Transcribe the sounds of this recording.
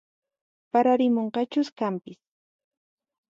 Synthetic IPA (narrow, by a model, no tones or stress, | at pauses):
paɾaɾɪmoɴqɑt͡ʃʊskampɪs